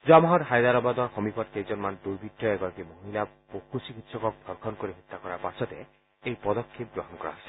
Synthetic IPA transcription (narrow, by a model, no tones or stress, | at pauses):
zuamɔɦɔtxajd̪aɾɔbad̪ɔɹxɔmipʰɔtkejzɔnmanduɹbʱitːɔɛɡɔɹakimoɦila | poxusikitsɔkɔk̚bʱɔɹkʰɔnkoɹiɦit̪ːakɔɹaɹpasɔtɛ | ejpɔd̪ɔkʰːep̚ɡɹɔɦɔnkɔɹa̰sɛ̥